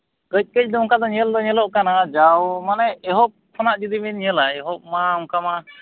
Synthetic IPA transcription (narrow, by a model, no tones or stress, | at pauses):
ɡəc̚ˀkəd͡ʒ̚d̪ɔŋkad̪ɔɲəld̪ɔɲɛlɔʔkanad͡ʒawmanɛɛɦɔp̚kʰɔnaʔd͡ʒid̪iminɲəlaɛɦɔp̚maɔŋkama